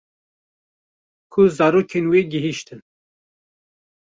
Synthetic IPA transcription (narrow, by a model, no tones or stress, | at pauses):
kʰʊzɑːɾoːkʰeːnweːɡiɦiʃt̪ɨn